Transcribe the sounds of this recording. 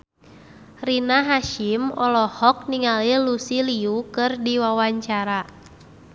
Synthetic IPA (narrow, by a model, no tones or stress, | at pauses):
rinaɦaʃimɔ̰lɔhɔk̚niŋalilusiliukɨrdiwawaɲt͡ʃaɾa